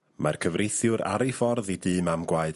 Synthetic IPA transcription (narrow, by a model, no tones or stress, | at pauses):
mʔarkʰəvrejθjʊɾa̰ɾifɔrðidɨːmamɡwaɨd